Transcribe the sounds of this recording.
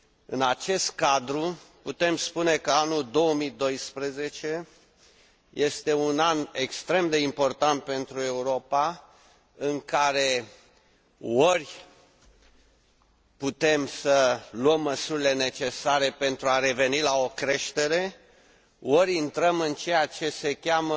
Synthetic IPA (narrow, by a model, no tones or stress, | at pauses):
ɨnat͡ʃe̞st̪̚kad̪ɾuput̪e̞mspune̞kəanuld̪o̞wəmid̪o̞jspɾeze̞t͡ʃe̞ | je̞st̪e̞unanekst̪ɾe̞md̪e̞impo̞rt̪ant̪̚pe̞nt̪ɾue̞uɾo̞pa | ɨŋkaɾe̞ | orʲ | put̪e̞msəluəmːəsuɾʲile̞ne̞t͡ʃe̞saɾe̞pe̞nt̪ɾuaɾe̞ve̞nilao̞kɾe̞ʃt̪e̞ɾe | oɾʲint̪ɾəmɨnt͡ʃe̞jat͡ʃe̞se̞kʲamə